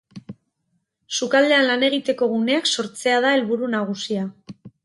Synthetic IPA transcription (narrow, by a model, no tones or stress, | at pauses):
sukald̪e̞anlane̞ɣ̞it̪e̞ko̞ɣune̞akso̞ɾt͡se̞að̞ae̞lβuɾunaɣ̞usia